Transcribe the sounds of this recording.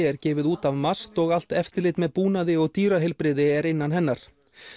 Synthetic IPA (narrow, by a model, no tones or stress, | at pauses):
ɛɾcɛːvɪðuːt̪avmast̪ɔɣal̥t̪ɛft̪ɪlɪt̪mɛðpuːnaðɪɔɣt̪iːɾaɦɪlpɾɪðɪɛɾɪnːanɦɛnːaɾ̥